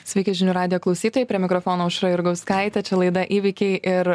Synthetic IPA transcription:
sʲʋʲɛɪkʲɪʒʲɪnʲuːɾɑːd̪ʲɪjoːklˠɐʊsʲiːt̪oːjɛɪpʲɾʲiɛmʲɪkɾoːfoːnoːʊʃɾɐɪɾɡɐʊskɑˑɪt̪ʲɛt͡ʃʲɛlˠɐɪd̪ɐʔiːʋʲɪkʲɛɪʔɪɾ

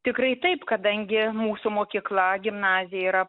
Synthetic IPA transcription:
t̪ʲɪkɾɐɪt̪ɐɪpkɐd̪ɐŋʲɡʲɪmuːsʊmoːkʲiːklˠɐɡʲɪmnɑːzʲɪjɛiːɾɐ

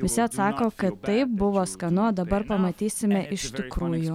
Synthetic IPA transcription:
ʋʲɪsʲɪɐt̪sɑːkoːkɐt̪t̪ɐɪp̚bʊʋoːskɐnʊod̪ɐbɐɾpɐmɐt̪ʲiːsʲɪmʲɛʔɪʃʲt̪ʲɪkɾuːjʊ

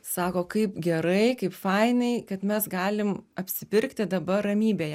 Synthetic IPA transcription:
sɑːkoːkɐɪpɡʲɛɾɐɪkɐɪpfɐɪnɐɪkɐt̪mʲɛsɡɑːlʲɪmɐpʲsʲɪpʲɪɾʲkt̪ʲɪd̪ɐbɐrɐmʲiːbʲeːjɛ

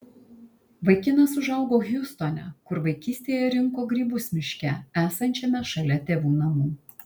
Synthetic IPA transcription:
ʋɐɪkʲɪnɐsʊʒɐʊɡoːɣʲjʊːst̪oːnʲɛ̰kʊɾʋɐɪkʲiːsʲt̪ʲeːjɛɾʲɪŋkoːɡɾʲiːbʊsʲmʲɪʃʲkʲɛæːsɐnʲt͡ʃʲɛmʲɛʃɐlʲɛt̪ʲeːʋuːnɐmuː

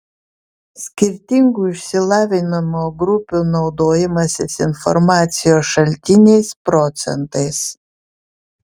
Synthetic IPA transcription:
sʲkʲɪɾʲt̪ʲɪŋɡuːɪʃʲsʲɪlˠɑːʋʲɪnɐmoːɡɾʊpʲuːnɔʊd̪oːjɪmɐsʲɪsɪnfɔ̰ɾmɑːt̪sʲɪjoːsʃɐlʲt̪ʲɪnʲɛɪspɾɔt̪sʲɛ̰nt̪ɐɪs

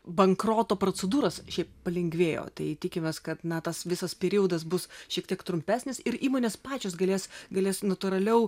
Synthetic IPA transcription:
bɐŋkɾoːt̪oːpɾoːt͡sʲɛd̪uːɾɐsʃʲɛɪppɐlʲɪŋʲɡʲʋʲeːjo̰ːt̪ɐɪt̪ʲɪkʲɪmʲeːskɐt̪nɐt̪ɐsʋʲɪsɐspʲɛɾʲiːjɛʊd̪ɐs̬bʊsʃʲiɛk̚t̪ʲiɛkt̪ɾʊmʲpʲæːsʲnʲɪsɪɾiːmoːnʲeːspɑːt͡ʃʲoːsɡɐlʲeːsɡɐlʲeːsnɐt̪ʊɾɐlʲɛʊ

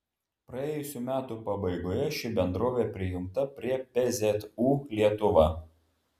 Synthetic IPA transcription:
pɾɐeːjʊsʲuːmʲæːt̪uːpɐbɐɪɡoːjɛʃʲɪbʲɛnd̪ɾoːʋʲeːpʲɾʲɪjʊmt̪ɐpʲɾʲiɛpʲɛzʲɛt̪uːlʲiɛt̪ʊʋɑː

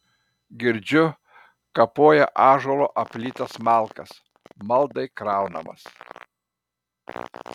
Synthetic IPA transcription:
ɡʲɪɾʲd͡ʒʲʊ | kɐpoːjɛ̰ʔɑːʒoːlˠoːʔɐpʲlʲiːt̪ɐsmɑˑlˠkɐs | mɐlˠd̪ɐɪkɾɑˑʊnɐ̰mɐ̰s

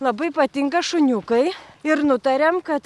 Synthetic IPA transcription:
lˠɐbɐɪpɐt̪ʲɪŋɡɐʃʊnʲukɐɪɪɾnʊt̪ɐɾʲɛmkɐt̪

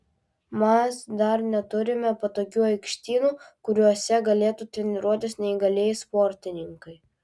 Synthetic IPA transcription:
mɛsd̪ɐɾnʲɛt̪ʊɾʲɪmʲɛpɐt̪oːkʲuːɐɪkʃʲt̪ʲiːnuːkʊɾʲuɔsʲɛɡɐlʲeːt̪uːt̪ʲɾʲɛnʲɪɾuɔt̪ʲɪsnʲɛɪɡɐlʲeːjspɔɾʲt̪ʲɪnʲɪŋkɐɪ

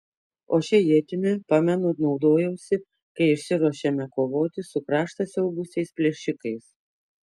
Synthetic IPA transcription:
oːʃʲɛjiɛt̪ʲɪmʲɛpɑmʲɛnonɒʊd̪oːjɛʊsʲɪ | kɐɪɪʃʲsʲɪɾɔʃʲɛmʲɛkoːʋoːt̪ʲɪsʊkɾɑːʃt̪ɐsʲɛʊbʊsʲɛɪspʲlʲɛʃʲɪkɐɪs

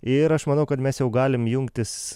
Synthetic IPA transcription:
ɪɾɐʃmɐnɐʊkɐt̪mʲɛsjɛʊɡɑːlʲɪmjʊŋkt̪ʲɪs

